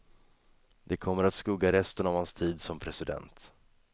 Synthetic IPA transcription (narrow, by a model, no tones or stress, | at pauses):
d̪ɛkʰɔmːəɾat̪skɵɡaɾɛst̪ənavhanst̪ʰiːd̪sɔmpʰɾɛsɪd̪ɛ̰nt̪